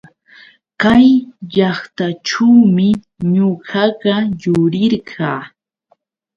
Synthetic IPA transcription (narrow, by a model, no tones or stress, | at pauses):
kajʎɑχt̪aʈ͡ʂuwmɪ | ɲoɢɑɢɑjʊɾɪɾɢʰɑː